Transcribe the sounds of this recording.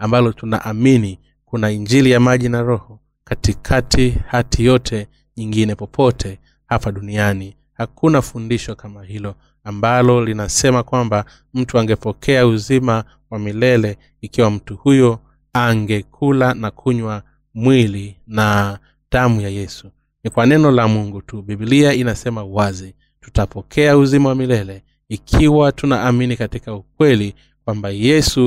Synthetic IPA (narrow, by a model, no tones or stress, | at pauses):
ambalɔtuna̰ʔamini | kunaiɲd͡ʒilijamaʄinaɾɔhɔ | katikʰatʰihatʰijɔtʰɛ | ɲiŋɡinɛpɔpʰɔtʰɛ | hapaɗuniani | hakʰunafundiʃɔkamahilɔ | ambalɔlinasɛmakwamba | m̩tuaŋɡɛpɔkʰɛauzima | wamilɛlɛ | ikiwam̩tuhujɔ | aŋɡɛkʰulanakʰuɲwa | mwilina | damujajɛsu | nikwanɛnɔlamuŋɡutubibiliainasɛmawazi | tu̥tapɔkʰɛauzimawamilɛlɛ | ikʰiwatunaːminikatikaukwɛli | kwambajɛsu